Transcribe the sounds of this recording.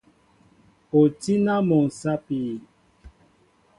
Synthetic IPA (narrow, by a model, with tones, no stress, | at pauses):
o˨ti˦na˦mɔ˨ŋ̩˨sa˦pi˨